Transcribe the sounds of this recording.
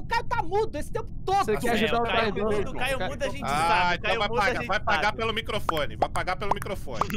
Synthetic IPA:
ʊkaɾt̪amud̪ʊesɪ̥t̪ẽmpʊ̥t̪od̪ekɛʒud̪aad̪ẽd̪kamũd̪ʊɐʒẽaẽt̪ɐ̃vajpaɡavajpaɡapelʊmikɾofõnɪvajpaɡapelʊmikɾofõ̰nɪ

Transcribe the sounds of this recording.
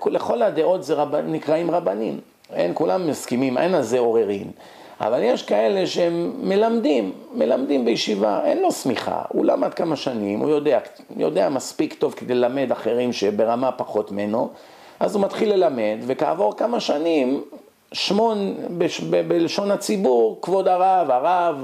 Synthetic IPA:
kleχo̞lad̪e̞ʔo̞t̪zeʁabanikʁaimʁabanim | ḛnkulamːaskimimḛnalzeo̞ʁe̞ʁim | ʔa̰valjeʃkae̞leʃeemːe̞lamd̪imːe̞lamd̪imbejʃiva̰ʔḛnlo̞smiχa̰ṵlamad̪̚kamaʃanimʔṵjo̞d̪eak | jo̞̰d̪eamaspikt̪o̞vked̪e̞lelame̞d̪aχe̞ʁimʃebe̞ʁamapaχo̞t̪meno̞ | ʔazumat̪χilːe̞lame̞d̪ve̞kaːvo̞ʁkamaʃanim | ʃmonbeʃbebeleʃo̞nat͡sibuʁkvo̞d̪aʁavaʁav

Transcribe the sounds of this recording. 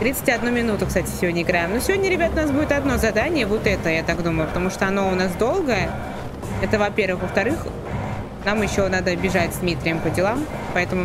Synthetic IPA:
t̪ɾʲit̪sɨ̥tʲɐd̪numʲɪnut̪ʊkst̪atʲɪ̥sʲɪvʲodʲnʲəɪɡɾaɪmnosʲɪvʲodʲnʲəɾʲɪbʲat̪ʊnasbudʲɪt̪ɐd̪no̞zɐd̪anʲɪjəvo̞t̪ɛt̪əjat̪akd̪uməjʊpət̪ɐmuʂt̪oɐno̞ʊnas̬d̪o̞lˠɡəjə | ɛt̪əvɐpʲe̞rvɨxvəft̪ɐɾɨx | namjɪɕːo̞nad̪əbʲɪʐatʲzʲd̪mʲit̪ɾʲɪjəmpədʲɪlˠampɐɛt̪əmʊ

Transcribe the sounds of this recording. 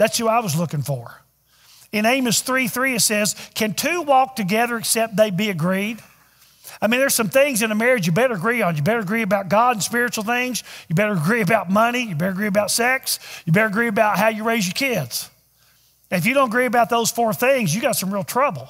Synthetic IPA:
ðætshəaɪwʌzlʊkɪ̃ŋfə˞ | ɨ̃nẽɪ̃mɨsθɹiθɹiɨtsɛz̥kʰɨ̃ntʰʉwɔk̚tɨɡɛðə˞ɨksɛp̚t̪̚ðeɪbiɨɡɹid | aɪmĩnðə˞z̥sʌ̃mθɪ̃ŋzɨ̃nðɨmɛɹɨd͡ʒjɨbɛɾə˞əɡɹiə̃n̩jɨbɛɾə˞əɡɹiɨbaʊt̚ɡ̥ɑɾ̃n̩spɪɹɨt͡ʃul̩ˠθɪ̃ŋzjɨbɛɾə˞əɡɹiɨbaʊt̚mʌñijɨbɛɾə˞əɡɹiɨbaʊtsɛksjɨbɛɾə˞əɡɹiɨbaʊt̚ɦaʊjɨɹeɪzjə˞kʰɪdz̥ | ɨ̃nɨfjɨɾõʊ̃ntəɡɹiɨbaʊt̪̚ðoʊz̥fɔɹθɪ̃ŋzjɨɡɑtsʌ̃mɹilˠtʰɹ̥ʌbl̩ˠ

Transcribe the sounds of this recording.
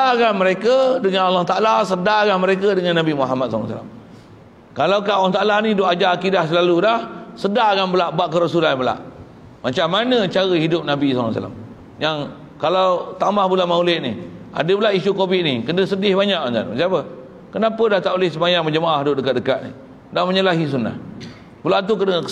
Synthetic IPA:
aɡaməɾekədəŋanalːaht̪aʔalasədaɡanməɾekədəŋanːabimuɦamat̪̚sal̰sa̰la̰m | kalawkaalaht̪aʔalanidoʔad͡ʒaakidahsəlalulahsədaɦɡanbəlaʔbaʔkəɾasulanbəla̰ʔ | mat͡ʃamːanə̃t͡ʃaɣəhidʊp̚nabisa̰sa̰la̰m | jaŋ | kalawt̪amahbulanmaulɪt̪̚niʔa̰dəbəlaʔisukobɪʔ̪̚nikənəsədɪhbaɲaʔant̪a̰nəsiapə | kənapədaht̪aʔolɪhsəmajaŋməd͡ʒəmaahdoʔdəkat̪̚dəkat̪̚nḭ | dahməɲəlaɦis̬una̰h | bəlat̪̬ukən

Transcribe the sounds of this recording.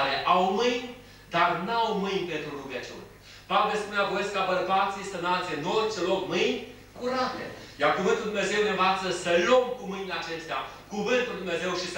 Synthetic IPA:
ɾeʔawmɨjnʲ | d̪arnawmɨjnʲpent̪ɾuɾuɡət͡ʃṵnʲ | pavelspuneaɡoeskːəabəɾbat̪sʲist̪ənalt̪sienot͡ʃelokmɨjnʲ | kuɾabilḛ | jarkuvɨnt̪uld̪umneze̞wneɱvat̪səsəlo̞mkumɨjnʲleat͡ʃe̞st̪ea̰ | kuvɨnt̪uld̪umneze̞wʃis

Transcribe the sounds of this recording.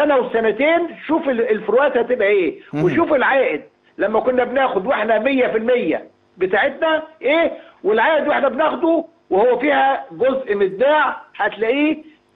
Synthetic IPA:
ænæwesːænæt̪eːnʃuːfeelfoɾowæːt̪hæt̪ebʔæʔeːweʃuːfelʕaːʔɪd̪̚ | læmːækonːæbnæːxod̪weħnæmejːæfilmejːæ̰ | bet̪aːʕet̪̚næʔeːwelʕaːʔed̪weħnæbenæːxod̪u | wehowːæfiːhæɡozʔmezd̪aːʕhæt̪læʔiː

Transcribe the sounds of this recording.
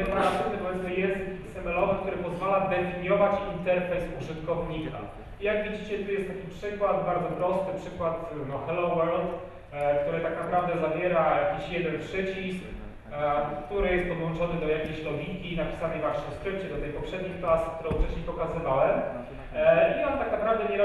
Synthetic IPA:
pɾat̪sɛt̪ɛkɔjɛst̪ɛjɛst̪sɛmɛlɔvɘk̚t̪uɾɘpɔzvalad̪ɛfʲiɲjɔvat͡ɕint̪ɛɾfɛt̪uʐɨt̪kɔvɲika̰ | ijaɡvʲid͡ʑit͡ɕɛt̪ujɛst̪ːakʲipʂɘkwad̪baɾd̪zɔpɾɔst̪ɘpʂɘkwat̪nɔxɛlɔwɛɾlt̪ | kt̪uɾɘt̪aknapɾavd̪ɛzavʲjɛɾajjakʲiɕjɛd̪ɛnpʂɛt͡ɕisk | kt̪uɾɘjɛst̪̚pɔd̪wɔnt͡ʂɔnɘd̪ɔjakʲejɕlɔvʲinkʲinapʲi̥sanɛjvwaɕɲɛfskɾɘp̚t͡ɕɛd̪ɔt̪ɛjpɔpʂɛd̪ɲixklasu̥kt̪uɾɔ̃w̃ft͡ʂɛɕɲɛpɔkazɨvawɛm | iɔnt̪aknapɾavd̪ɛɲɛ

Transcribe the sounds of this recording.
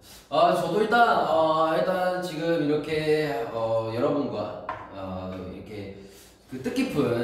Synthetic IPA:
at͡ɕʌdoiɭt͈anʌɦeɭt͈ant͡ɕiɡɯmiɾʌkʰe̞ʌjʌɾʌbunɡwa̰ʌḭɾʌkʰe̞ | kɯt͈ɯk͈ipʰɯ

